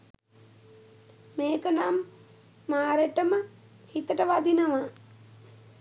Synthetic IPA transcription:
meːkənamː | aːɾeʈəmə | hit̪əʈəʋad̪inəʋa

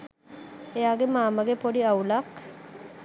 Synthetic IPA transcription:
ejaːɡemaːməɡepoɖiaulak

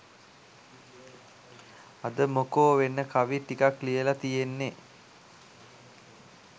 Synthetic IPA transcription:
ad̪əmokoːʋenːəkaʋiʈikaklijəlat̪ijenːe

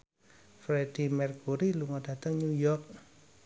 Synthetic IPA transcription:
fɾeɖ̥imɛrkuɾiluŋɔɖ̥ä̤t̪əŋɲujɔrk̚

